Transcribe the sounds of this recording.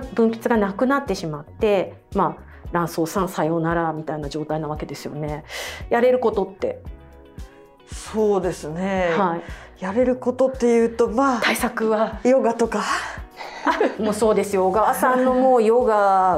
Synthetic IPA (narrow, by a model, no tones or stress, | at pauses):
bɯ̟̃mpʲi̥t͡sɨɡanakɯ̟nat̪ːe̞ɕimat̪ːe̞ | maː | ɾãɰ̃soːsãɰ̃sajo̞naɾamʲit̪ainad͡ʑo̞ːt̪ainaβake̞d̪e̞sɨjo̞̰ne̞jaɾe̞ɾɯ̟ko̞t̪o̞t̪ːe̞̰ | soːd̪e̞sɨne̞haijaɾe̞ɾɯ̟ko̞t̪o̞t̪ːe̞jɯ̟ːt̪o̞maːt̪aisakɯ̟βajo̞ɡat̪o̞ka | amoːso̞ːd̪e̞sɨjo̞ɡaasãnːo̞moːjoɡa